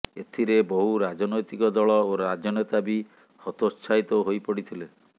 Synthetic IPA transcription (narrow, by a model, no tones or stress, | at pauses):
et̪ʰiɾebɔɦuɾad͡ʒɔnojt̪ikɔd̪ɔɭɔoɾad͡ʒɔnɔt̪abi | hɔt̪ost͡ʃʰajt̪ɔɦojpɔɽit̪ʰile